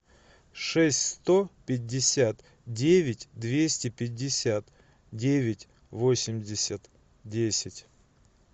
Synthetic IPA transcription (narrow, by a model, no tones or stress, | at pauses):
ʂɛsʲtʲst̪opʲɪdʲːɪsʲat̪ | dʲevʲɪtʲd̪vʲesʲtʲɪpʲɪdʲːɪsʲat̪ | dʲevʲɪtʲ | vosʲɪmʲdʲɪsʲət̪ | dʲesʲɪtʲ